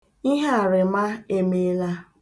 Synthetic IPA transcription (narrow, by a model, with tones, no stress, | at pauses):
i˦ɦe˦a˨ɾɪ˨ma˦e˦me˦la˦